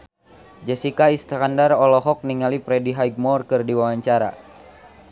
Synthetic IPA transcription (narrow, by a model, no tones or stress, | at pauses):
d͡ʒəsikaist̪ɾandarɔlɔɦɔk̚niŋalipɾɛdiɦajɡ̚mɔrkɨrdiwawaɲt͡ʃaɾa̰